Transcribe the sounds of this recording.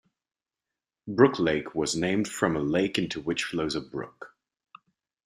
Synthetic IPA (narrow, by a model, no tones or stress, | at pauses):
bɹʊkʰleɪkʰwʌznẽɪ̃md̥fɹʌ̃məleɪkɪ̃ntʰuwɪt͡ʃfloʊzəbɹʊ̰k